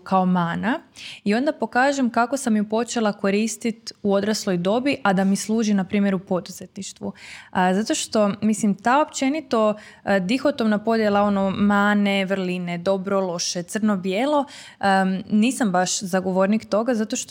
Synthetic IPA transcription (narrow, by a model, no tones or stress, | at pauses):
kʰao̞maːnaio̞nd̪apo̞kaːʒe̞mkakosamjupo̞t͡ʃe̞lˠako̞ɾiːst̪it̪uo̞d̪ɾaslˠo̞jd̪o̞biʔad̪amislˠuːʒinapɾiːmje̞ɾupo̞d̪uze̞t̪niʃt̪ʋuzat̪o̞ʃt̪o̞mislimt̪aop̚t͡ʃe̞nit̪o̞ | d̪ixo̞t̪omnapo̞d̪jelˠao̞nomaːne̞ʋrlined̪o̞bɾo̞lˠo̞ʃe̞t̪sərnobjeːlˠo̞ | niːsambaʃzaɡo̞ʋo̞ɾnikt̪o̞ɡazat̪oʃt̪